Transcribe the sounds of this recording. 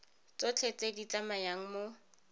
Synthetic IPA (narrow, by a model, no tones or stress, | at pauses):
t͡sot͡ɬʰet͡sʼedit͡sʼamajaŋ̩mo